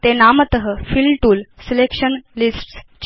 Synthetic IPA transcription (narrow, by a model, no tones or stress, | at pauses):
t̪enamət̪əɦəfilʈuːlselekʂənlisʈst͡ɕ